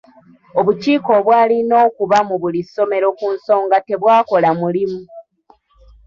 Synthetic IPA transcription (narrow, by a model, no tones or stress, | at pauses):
o̞βuciːko̞βwaːlino̞ːkuβamuβuliso̞me̞ɾo̞kunso̞ːŋɡate̞βwaːko̞lamulimu